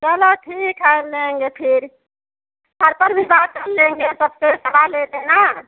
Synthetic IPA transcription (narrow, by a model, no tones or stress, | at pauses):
kəɦloʈʰikɦəleŋɡepʰiɾ | t̪ʰəɾpəɾbʱibat̪̚kəlːeŋɡesəbkesəbaled̪ena